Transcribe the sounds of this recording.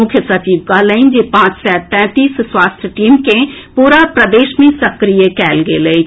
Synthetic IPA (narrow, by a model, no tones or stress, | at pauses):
ʊkʰjəsət͡ʃiːʋkalə̃ɪnd͡ʒepãːt͡ʃsɛːt̪pɛ̃ːt̪iːsswaːst̪ʰjəʈiːmke | puːɾapɾəd̪eːʃmẽsəkɾijəkɛːlɡele